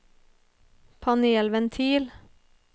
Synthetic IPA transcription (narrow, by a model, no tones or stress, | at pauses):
pʰɑneːlʋɛnt̪ʰiːl